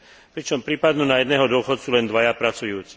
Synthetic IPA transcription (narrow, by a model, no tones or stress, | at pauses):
pɾit͡ʃɔmpɾiːpad̪nunajɛd̪nɛːɦɔd̪ʊɔxɔt̪sulɛnd̪ʋajapɾat͡sujuːt͡si